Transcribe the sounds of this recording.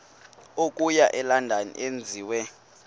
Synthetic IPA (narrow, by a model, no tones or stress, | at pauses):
ok̬ʼujaʔɛlandʱanḭʔend͡zʱiːwɛ